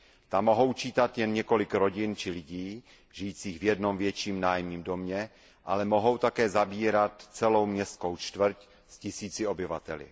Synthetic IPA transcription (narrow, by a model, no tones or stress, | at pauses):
t̪amːo̞ɦo̞wt͡ʃiːt̪at̪jɛnɲɛko̞lɪkɾo̞ɟɪnt͡ʃɪlɪɟiː | ʒɪjiːt͡siːɣvjɛdno̞mvjɛt͡ʃiːmnaːjmɲiːmdo̞mɲɛ | ʔalɛmo̞ɦo̞wt̪akɛːzabiːɾat̪t͡sɛlo̞wmɲɛst̪kowt͡ʃt̪vɾ̩c | scɪsiːt͡sɪo̞bɪva̰t̪ɛlɪ̰